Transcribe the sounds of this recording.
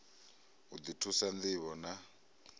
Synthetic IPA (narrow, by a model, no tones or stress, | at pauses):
ɦud̪itʰusand̪iβɔna